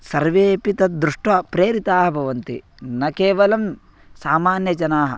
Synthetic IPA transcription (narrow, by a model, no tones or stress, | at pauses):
sɐɾʋeːpit̪ɐd̪ɾuʂʈʋɐpɾeːɾit̪aːɦɐbʱɐʋɐnt̪ḭ | nɐkeːʋɐlɐm | saːmaːnjɐd͡ʒɐnaːɦɐ̰̆